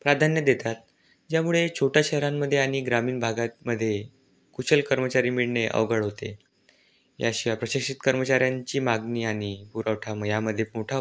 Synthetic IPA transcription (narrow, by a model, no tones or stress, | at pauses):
pɾad̪ʱanjəd̪et̪at̪̚ | d͡ʑjamuɭet͡ɕʰoʈjaɕɛɦɾamːəd̪ʱːjeaɽ̃iɡɾamiːnbʱaɡat̪̚məd̪ʱːje | kut͡ɕəlkəɾmət͡ɕaɾiːmiɭɳeʔə̰ʋɡəɭɦot̪ḛ | ja̰ɕiʋapɾəɕəkʂit̪kəɾmət͡ɕaɾjaɲt͡ɕiːmaɡniːaɽ̃ipuɾəʋʈʰaməjaməd̪ʱːjemoʈʰa